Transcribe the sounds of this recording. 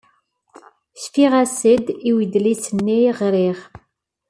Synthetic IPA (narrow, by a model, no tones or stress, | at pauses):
sfiʁæsəd̪iwid̪lisənːiʁɾiʁ